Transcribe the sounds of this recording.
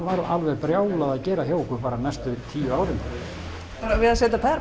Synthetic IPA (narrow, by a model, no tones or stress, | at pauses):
vaːɾʔalvɛpɾjaːwlaðaðcɛːɾaɦjoːwkʏpaːɾanɛjst̪ʏt̪ʰiːjʏaːwɾɪm | aɾavɪðasɛːt̪apʰɛɾ